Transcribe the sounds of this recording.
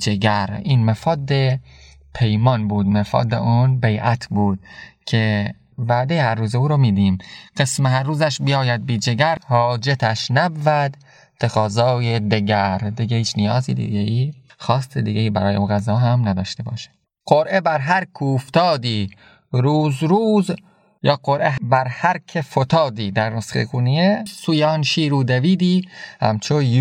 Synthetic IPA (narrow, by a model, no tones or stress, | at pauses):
d͡ʒeɡæɾiːnmæfɒːd̪e | pʰe̞jmɒnbuːd̪mefɒ̰ːd̪eʔunbejʔæt̪ʰbuːd̪̥̚cʰe | væd̪ejehæɾːuːzeuːɾomiːd̪iːmɢesmehæɾːuːzæʃbijɒːjæd̪̚biːd͡ʒeɡæɾhɒːd͡ʒet̪ʰæʃnæbːæd̪ | t̪ʰːeɣɒːzɒːjed̪eɡæɾd̪iɡehiːt͡ʃʰnijɒːziːd̪ḭɡeiː | xɒːst̪ʰed̪iːɡeiːbæ̰ɾɒːjeunɣæzɒːɦæmnæd̪ɒːʃt̪e̞bɒ̰ːʃe̥d̪̥ | qoɾʔebæɾɦæɾkʰuːft̪ɒːd̪iː | ɾuːzɾuːz | jɒːqoɾʔebæɾhæɾkʰefot̪ʰɒːd̪iːd̪æɾnosχḛkuniesuːjeɒːnʃiːɾuːd̪æviːd̪iːhæ̰mt͡ʃʰo